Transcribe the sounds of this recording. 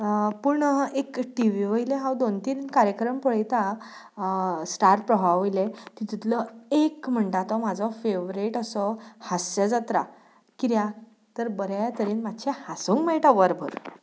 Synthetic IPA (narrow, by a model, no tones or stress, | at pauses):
puɳekʈiʋiʋəjilẽɦãwd̪ont̪iːɾnkaɾjəkɾəmpəɭ̤əjt̪a | sʈaɾʈ̚pɾəɦaʋjlet̪it̪it̪ləekm̤əɳʈat̪ɔmad͡zʱɔfeʋɾiʈəsɔhasɕad͡zat̪ɾa | kiɾja | t̪əɾbəɾjajat̪əɾiːnmad̪ɕʰehasuŋkmeɭʈaʋəɾbʱə̰ɾ